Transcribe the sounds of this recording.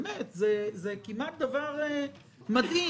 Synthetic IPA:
met̪zezekimat̪̚d̪avaʁe | mad̪i

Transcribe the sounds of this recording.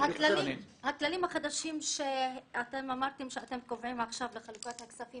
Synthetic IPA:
halalimhaklalimhaχad̪aʃimʃeat̪emamaʁt̪emʃeat̪e̞mkovʕimaχʃavleχalukat̪haksafim

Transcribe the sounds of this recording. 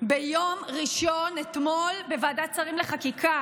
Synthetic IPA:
bejo̞mʁiʃonet̪mo̞lbevaːdat͡saʁimleχakikʰa

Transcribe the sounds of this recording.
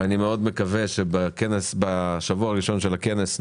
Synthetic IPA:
animeo̞d̪me̞kaveʃebakenesbaʃavuaʁiʃo̞nʃelakenes

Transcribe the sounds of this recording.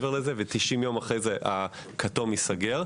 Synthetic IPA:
veʁlezevet̪iʃimjomaχʁejzeʔa | kʰatomisaɡeʁ

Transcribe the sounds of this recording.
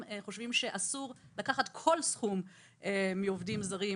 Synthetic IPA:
eχo̞ʃvimʃe̞ʔasuʁlakaχat̪kʰo̞lsχum | emiovdimzaʁi

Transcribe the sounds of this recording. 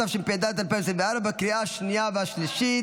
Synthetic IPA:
afʃempid̪at̪alpɛɾselveaɾabakɾiʔaʃnijaveaʃliʃi

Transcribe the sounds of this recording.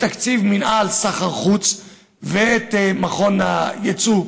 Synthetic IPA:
t̪akt͡sivminʔalsaχaʁχut͡s | veet̪emaχo̞na̰jet͡su

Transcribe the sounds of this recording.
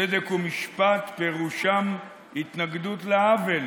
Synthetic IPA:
ed̪ekumiʃpat̪peʁuʃam | hit̪naɡd̪ut̪leavel

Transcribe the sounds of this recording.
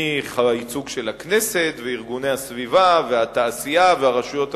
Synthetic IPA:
iχait͡suɡʃe̞laknese̞t̪veiʁɡune̞jhasvivaveat̪aːsijaveaʁaʃujo̞t̪

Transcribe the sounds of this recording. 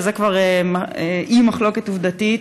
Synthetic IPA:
zekvaʁemaeʔimaχlo̞ketuvd̪ati

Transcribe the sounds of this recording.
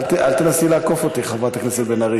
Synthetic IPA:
tʔalt̪enasilaːkofot̪iχavat̪aknesebenaʁi

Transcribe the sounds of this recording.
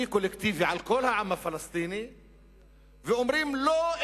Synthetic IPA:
ikʊlːekt̪iːviʕalkolhaʕamːafalast̪iːni | vɪʔʊmɾiːmloːʔ

